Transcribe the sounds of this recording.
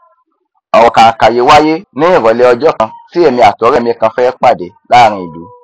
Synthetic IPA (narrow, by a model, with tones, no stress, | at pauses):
ɔ˨wɔ̃˨kã˨ka˨je˨˦wa˦je˦nĩ˦ĩ˦˨ɾɔ˨˦lɛ˧ɔ˧d͡ʒɔ˦˨kã˧si˦ɛ˦˨mĩ˧a˨tɔ˨˦ɾɛ˦˨mĩ˧kã˧fɛ˦k͡pa˦˨de˨la˦˨ɾ̃ĩ˧˦i˨lṵ˨˦